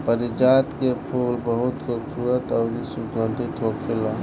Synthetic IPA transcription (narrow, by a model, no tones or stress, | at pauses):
pəɾid͡ʒat̪kepʰulbəɦut̪koksuɾət̪əʊnisuɡʱənd̪ʱit̪ʰokʰela